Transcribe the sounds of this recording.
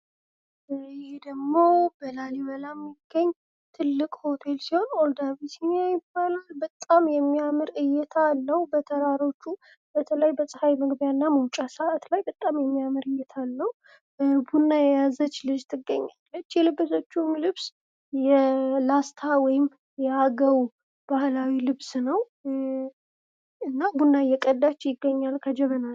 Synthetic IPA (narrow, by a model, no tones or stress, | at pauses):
ɪhed̪əɡmo̞bəlaliβəlamjɪɡːəɲː | t̪ʰɨlːɨkʼho̞t̪ʰe̞lsiho̞nold̪aβisinajɪbalalbət̪ʼːamjɛmːiamɨɾɨjɛt̪ʰaːlːəhubət̪ʰəɾaɾo̞t͡ʃːu | bət̪ʰələjbəsʼəhajməɡbjanːaməwt͡ʃʼasəʔat̪lajbət̪ʼːamjɛmːijamɨɾɨjɛt̪ʰalːəhu | bunːajɛjazət͡ʃːlɨd͡ʒt̪ʰɨɡːəɲːalːət͡ʃːjɛlɨbɨsot͡ʃːumlɨβs | jɛlast̪ʰawɔjɪm | jɛaɡəw | b̥ahlawilɨβsnəw | ɨnːabunːajɛkʼəd̪ːat͡ʃːjɪɡːəɲːalkʰəd͡ʒɛβənal